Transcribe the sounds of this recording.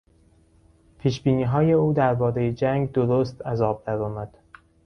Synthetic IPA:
pʰiːʃbiːniːɦɒːje̞uːd̪æɾbɒːɾe̞jed͡ʒæŋɡd̪oɾost̪ʰæzɒːb̚d̪æɾɒːmæd̪̥

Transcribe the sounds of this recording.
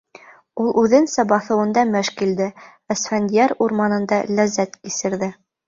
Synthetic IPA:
ulˠʔʉðɘnsæbɑθɤ̆wɤ̆nd̪ɑmɘʃkild̪ɘ | ɘ̆sfænd̪ʲjaɾuɾmɑnɤ̆nd̪ɑlæzæt̪kisɘ̆ɾðɘ

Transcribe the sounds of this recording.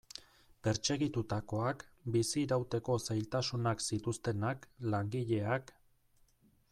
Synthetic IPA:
pe̞ɾt͡ʃe̞ɣit̪ut̪ako̞akbisiɾawt̪e̞ko̞sajlt̪asunaksit̪ust̪e̞naklaŋɡiʎe̞ak

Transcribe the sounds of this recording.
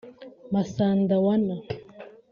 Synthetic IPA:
masand̪awana

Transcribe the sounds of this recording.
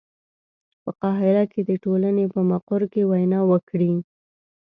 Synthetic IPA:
pəqɑɦɪɾaked̪əʈolanepəmaqʊɾkewajnɑwəkɽi

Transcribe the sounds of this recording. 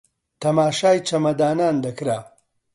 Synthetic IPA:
t̪ʰɐmaːʃaːjt͡ʃʰɐmɐd̪aːnaːnd̪ɐkɾaː

